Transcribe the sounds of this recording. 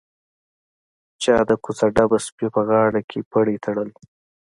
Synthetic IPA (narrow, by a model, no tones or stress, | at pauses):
t͡ʃɑːd̪əkusaɖabaspjopəɣɑːɽakʰepəɽet̪ʰaɽəl